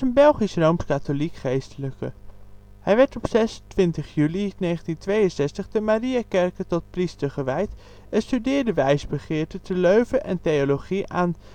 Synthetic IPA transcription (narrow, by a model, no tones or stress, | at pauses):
ənbɛlˠχisrowmskatolikχejstələkə̰ | hɛjʋɛɹtɔpsɛsntʋɪntəχjylinejχəntintʋejənsɛstəχdəmariakɛɹkətɔt̚pristəɹχəʋɛjt | ɛnstydɪːɹdəʋɛjzbəχɪːɹtətəløɥvəʔɛntejoloχiʔaːn